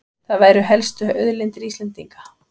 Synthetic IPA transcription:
θaðvaːjɾʏɦɛlst̪ʏœðlɪnt̪ɪɾiːslɛnt̪iŋkḁ

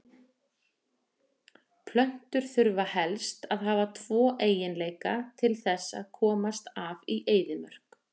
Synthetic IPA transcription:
pʰlœn̥t̪ʏɾ̥θʏɾvahɛlst̪aðɦaːvat̪ʰvɔːʔeːjɪnleːjkat̪ʰɪlθɛsːa̰ðkʰɔːmast̪aviʔeːjðɪmœr̥k

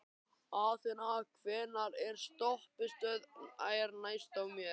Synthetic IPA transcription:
aθɛnakʰvɛːnaɾɛɾ̥st̪ɔhpɪst̪œːða̰ːjaɾnaːjst̪awmjɛ

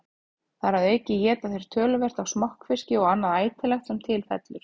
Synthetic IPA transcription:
θaɾhaðɛhcɪjɛːt̪aθejɾ̥t̪ʰœːlʏvɛr̥t̪avsmɔhkfɪscɪɔɣanːaðaːjt̪ʰɪlɛxt̪sɛmt̪ʰɪlfɛ̰t̪lʏɾ̥

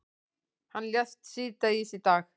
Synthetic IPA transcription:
hanlast̪sit̪aisit̪ak

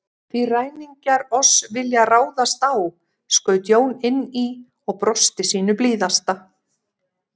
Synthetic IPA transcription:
θviraːjniɲcaɾɔsvɪljaraːwðast̪aw | skœːɥt̪joːwnɪnːi | ɔɣpɾɔst̪ɪsiːnʏpliːðast̪a

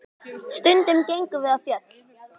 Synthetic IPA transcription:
st̪ʏnt̪ɪmcejŋkʏvɪðafjœt̪l

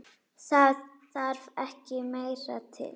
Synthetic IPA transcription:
sa | aɾvɛhcɪmeːjɾa̰t̪ʰɪ̰l

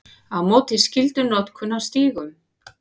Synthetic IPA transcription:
aðmɔːt̪ɪscɪlt̪ʏnɔt̪kʰʏnːawst̪iːɣʏm

